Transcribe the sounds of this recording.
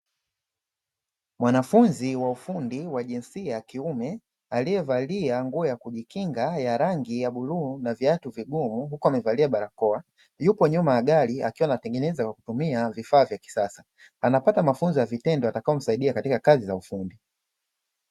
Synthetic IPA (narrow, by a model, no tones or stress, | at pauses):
mwanafunziwaufundiwaʄinsiakiumɛ | alijɛvaliaŋɡuɔjakuʄikiŋɡajaɾaŋɡijaɓulunaviatuviɡumuhukuamɛvaliaɓaɾakɔa | jupɔɲumajaɡalia̰kiwanatɛŋɡɛnɛzakwaku̥tumiavifaːvjaki̥sasa | anapatamafunzijavitɛndɔatakaɔm̩saiɗiakatikakazizaufundi